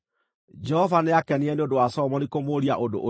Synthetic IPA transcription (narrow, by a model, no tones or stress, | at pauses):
d͡ʒɛhɔvaneakɛniɛneodowasɔmɔnikomoɾiaʔodo̰ʔ